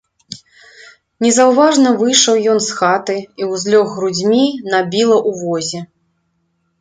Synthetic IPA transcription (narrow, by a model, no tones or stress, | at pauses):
nʲɛzɐwvaʐnɐvɨjʂɐwjɔnsxat̪ɨiwzʲlʲɔɣːɾud͡zʲmʲinabʲilˠɐʔuvɔzʲɛ